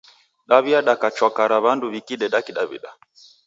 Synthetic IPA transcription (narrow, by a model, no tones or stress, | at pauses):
ɗaβiaɗakat͡ʃwakaɾaβanduβikiɗɛɗakiɗaβḭɗa